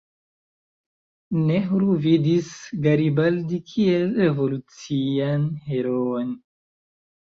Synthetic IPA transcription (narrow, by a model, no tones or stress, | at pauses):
neɦɾuvidisɡaɾibaldikʰielɾe̞vo̞lut͡sianheɾoon